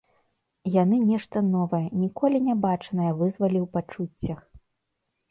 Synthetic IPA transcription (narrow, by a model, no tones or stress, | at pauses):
jan̪ɨnʲɛʂt̪ɐnɔvɐjɐnʲikɔlʲinʲabat͡ʂɐnɐjɐvɨzvɐlʲiwpat͡ʂut͡sʲːɐx